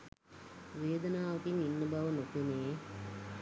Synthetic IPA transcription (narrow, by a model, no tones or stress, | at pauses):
ʋeːd̪ənaːʋɐkiŋinːəbaʋənopeneː